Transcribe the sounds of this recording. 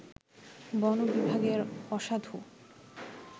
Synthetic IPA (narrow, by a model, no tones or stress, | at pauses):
bɔnobibʱaɡeɾɔʃad̪ʱu